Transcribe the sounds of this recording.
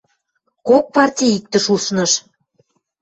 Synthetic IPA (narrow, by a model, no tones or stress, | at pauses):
kok̚pɑrtʲijik̚t̪ə̆ʃusnə̆ʃ